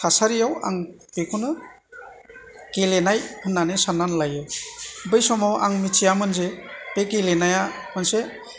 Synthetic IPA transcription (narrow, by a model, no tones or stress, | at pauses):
tʰasaɾijawa̰ŋ | pekʰunɯ | kelenajhɯnːanɯsanːanlajɯbɯjsɔmawʔa̰ŋmitʰijamɯnzepekelenajamɯnse